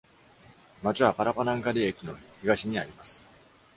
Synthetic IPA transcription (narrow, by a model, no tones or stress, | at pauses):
mat͡ɕiβapaɾapanãŋɡaɾʲiekʲino̞çiɡaɕiɲ̟iaɾʲimasɨ̥